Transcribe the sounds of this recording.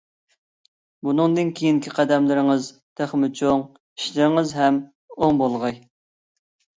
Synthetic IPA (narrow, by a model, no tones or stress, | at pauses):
bunɨŋd̪ɨnkʲʰejiŋkʲʰiqʰæd̪ɛmlɪɾɪŋəz | t̪ʰæχmɪt͡ʃʰoŋ | i̥ʃlɪɾɪŋɨzɦɛm | oŋbolˠʁɑj